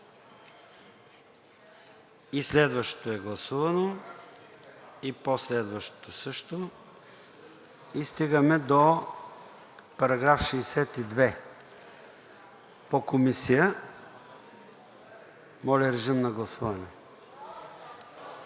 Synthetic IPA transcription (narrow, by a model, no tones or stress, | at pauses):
islɛd̪vəʃt̪o̥t̪oɛɡlˠɐsuvɐno | iposlɛd̪vəʃt̪o̥t̪osɤʃt̪o | ist̪iɡəmɛd̪o | pɐɾɐɡɾafʃɛːsɛt̪id̪vɛ | pokomisijə | mɔlʲɛɾɛʒimnɐɡlˠɐsuvɐnɛ